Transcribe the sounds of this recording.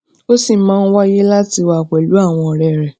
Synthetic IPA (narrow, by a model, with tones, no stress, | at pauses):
o˦si˦˨˦mãː˦˧n̩˦wa˦je˦la˦ti˧wa˧˨k͡pɛ˨lu˨˦a˦˨w̃ɔ̃˧ɔ˨ɾɛ˨ɾɛ˨